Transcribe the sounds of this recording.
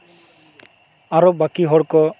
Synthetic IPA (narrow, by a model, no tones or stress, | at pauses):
aɾɔbakiɦɔɽkɔ